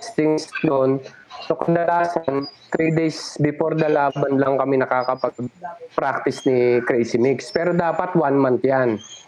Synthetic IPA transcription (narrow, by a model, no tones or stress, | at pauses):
st̪ɪŋsnonsokɐd̪ɐlaːsant̪ɾid̪ejsbɪfoɾd̪ɐlaːbɐnlɐŋkɐmɛnɐkaːkɐpɐɡ̚pɾak̚t̪ɪsnikɾɛjsɪmikspɛːɾod̪aːpɐt̪wanmant̪jan